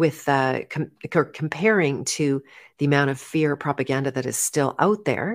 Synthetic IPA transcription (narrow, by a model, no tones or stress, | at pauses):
wɪðʰmkʰə˞kʰm̩pʰɛɹɪ̃ŋtʰɨðiɨmãʊ̃ɾ̃ʌv̥fɪɹpʰɹ̥ɑpɨɡæ̃ndɨðɨɾɨ̰z̥stɪlˠa̰ʊt̪̚ðə̰˞